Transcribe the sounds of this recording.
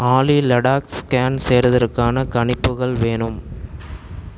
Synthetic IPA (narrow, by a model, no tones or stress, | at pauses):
aːlilɐɽaːkskaːnseːɾɐðɐrkaːnɐkɐɳɪpːɯɣɐɭʋeːɳɯm